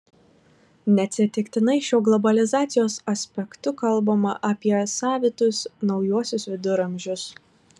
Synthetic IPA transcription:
nʲɛt̪ʲsʲɪt̪ʲɪkt̪ʲɪnɐɪʃʲoːɡlˠɔbɐlʲɪzɑːt̪sʲɪjoːsɐsʲpʲɛkt̪ʊkɐlˠˑbɐmɐʔɐpʲiɛsɑːʋʲɪt̪ʊsnɒʊjuɔsʲʊsʋʲɪd̪ʊɾɐmʲʒʲʊs

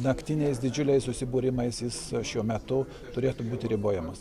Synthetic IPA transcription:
nɐkt̪ʲɪnʲɛɪsd̪ʲɪd͡ʒʲʊlʲɛɪssʊsʲɪbuːɾʲɪmɐɪsjɪsʃʲuɔmʲɛt̪ʊ | t̪ʊɾʲeːt̪ʊbuːt̪ʲɪɾʲɪboːjɛmɐs

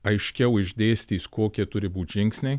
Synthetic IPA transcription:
ɐɪʃʲkʲɛʊɪʒʲd̪ʲeːsʲt̪ʲiːskoːkʲiɛt̪ʊɾʲɪbuːt̪ʲʒʲɪŋʲksʲnʲɛ

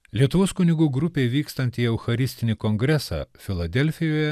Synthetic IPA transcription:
lʲiɛt̪ʊʋoːskʊnʲɪɡuːɡɾʊpʲeːʋʲiːkst̪ɐnʲt̪ʲiːɛʊxɐɾʲɪsʲt̪ʲɪnʲɪkoŋɡɾʲɛsɑ̰ːfʲɪlˠɐd̪ʲɛlʲfʲɪjoːjɛ

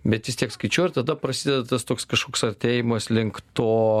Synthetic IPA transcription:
bʲɛt̪ʋʲɪst̪ʲiɛkskɐɪt͡ʃʲuːɪɾt̪ɐd̪ɐpɾɐsʲiːd̪ʲɛd̪ɐt̪ɐst̪oːkskɐʃkoːksɐɾʲt̪ʲeːjɪmɐslʲɪŋkt̪oː

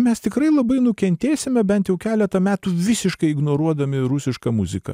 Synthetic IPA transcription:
mʲɛst̪ʲɪkɾɐɪlˠɐbɐɪnʊkʲɛnʲt̪ʲeːsʲɪmʲɛbʲɛnt̪jɛʊkʲæːlʲɛt̪ɐmʲæːt̪uːʋʲɪsʲɪʃkɐɪɪɡnoːɾuɔd̪ɐmʲɪɾʊsʲɪʃkɐmʊzʲɪkɐ̰

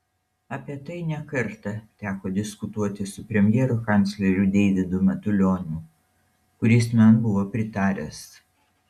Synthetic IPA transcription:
ɐpʲiɛt̪ɐɪnʲɛkɐɾˑt̪ɐt̪ʲæːkoːd̪ʲɪskʊt̪uɔt̪ʲɪsʊpʲɾʲɛmʲjɛːɾʊkɑˑnʲˑt̪sʲlʲɛɾʲud̪ʲɛːd̪ʲɪd̪ʊmʲɛt̪ʊlʲoːnʲʊ | kʊɾʲɪsmʲɛnbʊʋoːpʲɾʲɪt̪ɑːɾʲɛs

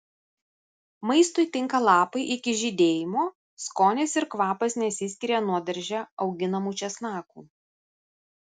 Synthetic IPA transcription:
mɐɪst̪ʊɪt̪ʲɪŋkɐlˠɑːpɐɪʔɪkʲɪʒʲid̪ʲeːjɪmoː | skoːnʲeːsɪɾkʋɑːpɐsnʲɛsʲɪsʲkʲɪɾʲɛːnuɔd̪ʲɐɾʲʒʲɛɒʊɡʲɪnɐmuːt͡ʃʲɛsnɑːkuː

